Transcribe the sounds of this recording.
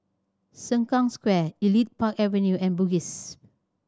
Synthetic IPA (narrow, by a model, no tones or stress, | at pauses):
sə̃ŋkɔ̃ŋskwɛilit̚pʰakɛvə̃njuʔɛ̃nbuɡis